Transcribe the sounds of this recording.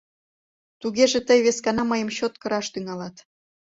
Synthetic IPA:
t̪uɣeʒĕt̪əjβeskɑnɑməjə̆mɕot̪̚kə̆ɾɑʃt̪yŋɑlɑt̪

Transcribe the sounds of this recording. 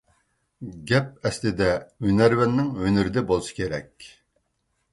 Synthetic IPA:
ɡʲɛp̚ɛslɪd̪ɛønæɾwɛnːɪŋønyɾɪd̪ɛbolˠʃi̥kʲʰeɾɛkʲ

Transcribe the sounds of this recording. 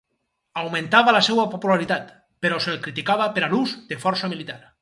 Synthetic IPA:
awmẽnt̪aβalasewapopulaɾit̪at̪ | peɾɔselkɾit̪ikaβapeɾaluzd̪efɔɾsamilit̪aɾ

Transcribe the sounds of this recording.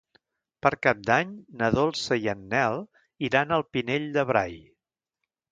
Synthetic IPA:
pəɾkap̚d̪aɲnəðolˠsəjənːɛlˠ | iɾanəlˠpineʎd̪əβɾaj

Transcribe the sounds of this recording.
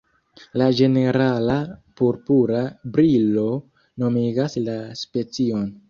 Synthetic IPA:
lad͡ʒe̞ne̞ɾalapuɾpuɾabɾilo̞ | no̞miɡaslaspe̞t͡sio̞n

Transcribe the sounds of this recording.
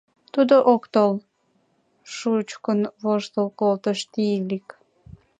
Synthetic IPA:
t̪ud̪oʔokt̪ol | ʃut͡ɕkənβoʒt̪əlkolt̪əʃt̪ilik

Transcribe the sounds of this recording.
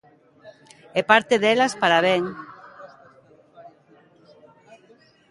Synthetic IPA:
ɛpaɾt̪eðelaspaɾaβeŋ

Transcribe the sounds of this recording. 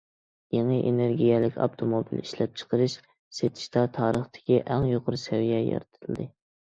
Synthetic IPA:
jeŋəʔeneɾɡʲijɛlɪkʲɑ̰pt̪ʰomobḭliʃlɛp̚t͡ʃʰə̥qʰəɾɨʃ | set̪ʰɪ̥ʃt̪ɑt̪ʰɑːɾəχt̪ʰɪ̥kʲiʔæŋjoqʰʊɾsɛwijɛjɑ̰ɾt̪ʰɨlˠd̪ɨ

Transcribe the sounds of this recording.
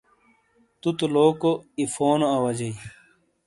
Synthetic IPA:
t̪ut̪oloːkoifoːnoɐwɐd͡ʑɐi

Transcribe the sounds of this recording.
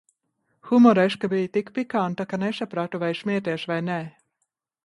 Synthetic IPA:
xumɔɾɛʃkabiːjt̪ikpikant̪akanesapɾat̪uvajʃmʲiɛt̪iɛʃvajnɛ

